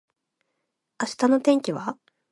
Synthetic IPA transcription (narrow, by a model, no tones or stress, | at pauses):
aɕi̥t̪ano̞t̪ẽ̞ŋkʲiβa